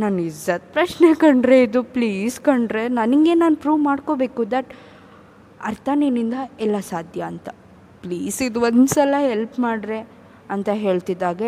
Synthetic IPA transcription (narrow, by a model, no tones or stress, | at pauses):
naːnid͡ʒɐt̪pɾɐʃnekɐɳɖɾe̞id̪upliːskɐɳɖɾenɐniɡe̞naːnpɾuːʋmaːɖko̞ːbe̞ːkud̪ɐʈ | ɐɾt̪ʰɐninind̪ɐɛlːɐsaːd̪ʱjɐːnt̪ɐ | pliːsid̪uond̪sɐlɐɦelpmaːɽɾe̞ | ɐnt̪ɐɦe̞ːɭt̪id̪ːaːɡe